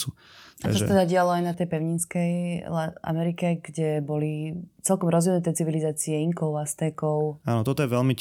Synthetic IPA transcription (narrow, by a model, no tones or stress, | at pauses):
u | ʔat͡ʃɔsa̰t̪ɛd̪aɟɪalɔajnat̪ɛjpɛʊɲinskɛjlaa̰mɛɾikɛɡɟɛbɔlit͡sɛlkɔmɾɔzʋimnut̪ɛt͡siʋilizaːt͡siɛiŋkɔʊlast̪ɛkɔʊaːnɔt̪ɔt̪ɔjɛʋɛlmi